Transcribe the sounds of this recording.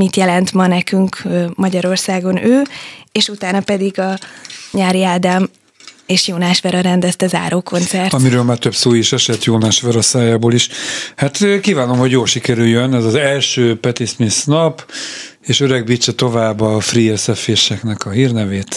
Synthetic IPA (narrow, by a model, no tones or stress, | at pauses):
mit̪jɛlɛnt̪mɒnɛkyŋkmɒɟɒɾo̞rsaːɡo̞nøːeːʃut̪aːnɒpɛd̪iɡɒɲaːɾiaːd̪am | eːʃjoːnaːʃʋɛɾɒɾɛnd̪ɛst̪ɛza̰ːɾoːko̞nt̪sɛrtɒmiɾøːlmaːrt̪øpsoːjiʃɛʃɛt̪joːnaːʃʋɛɾɒsaːjaːboːliʃhat̪ːkiːvaːno̞mho̞ɟjoːlʃikɛɾyljønɛzɒzɛlʃøːpɛt̪ismisnɒp | eːʃøɾɛɡ̚bit͡ʃːɛt̪o̞vaːbːɒfriɛsɛfeːʃɛknɛkɒɦiːrnɛveːt̪